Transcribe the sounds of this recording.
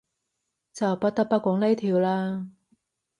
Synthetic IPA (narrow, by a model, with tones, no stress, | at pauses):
t͡sɐ˨˩wpɐ˥t̚t̪ɐ˥k̚pɐ˥kʷɔː˨˥ŋle˥jt̪ʰiː˨˧wlaː˧˥